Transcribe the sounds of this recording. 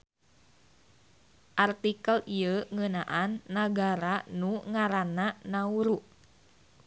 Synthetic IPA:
ʔart̪ikəliəŋənaʔanːaɡaɾanuŋaɾananauɾuʔ

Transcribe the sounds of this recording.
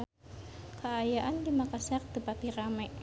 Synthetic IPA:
kəajaʔandimakasiak̚t̪əpat̪iɾamɛʔ

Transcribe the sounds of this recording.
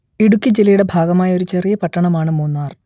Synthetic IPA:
iɽukʲːid͡ʑelɐjuɽe̞bʱaːɡɐmaːjɐo̞ɾut͡ɕe̞rijɐpɐʈːɐɳɐmaːɳɨmuːnːaːr

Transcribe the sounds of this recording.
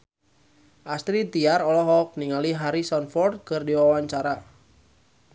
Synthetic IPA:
ʔast̪ɾit̪iaɾɔlɔɦɔk̚niŋaliɦaɾisɔnfɔrd̪̚kɨrdiwawaɲt͡ʃaɾa

